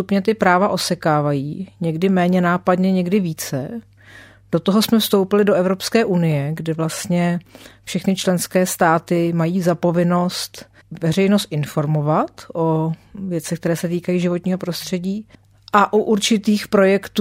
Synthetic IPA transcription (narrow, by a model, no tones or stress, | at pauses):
t̪upɲɛt̪ɪpɾaːvaʔo̞sɛkaːvajiːɲɛɡdɪmɛːɲɛnaːpadɲɛɲɛɡdɪviːt͡sɛ̰ | d̥o̞t̪oɦo̞smɛfst̪o̞wpɪlɪdoʔɛvɾo̞pskɛːʔunɪjɛɡdɛvlast̪ɲɛfʃɛxnɪt͡ʃlɛnskɛːst̪aːt̪ɪmajiːzapo̞vɪno̞st̪ | vɛrɛjnost̪̚ʔɪnfo̞ɾmo̞vat̪ʔo̞vjɛt͡sɛxk̚t̪ɛɾɛːsɛt̪iːkajiːʒɪvo̞t̪ɲiːɦo̞pɾo̞st̪r̝̥ɛɟiː | ʔaʔuʔuɾt͡ʃɪt̪iːxpɾo̞jɛkt̪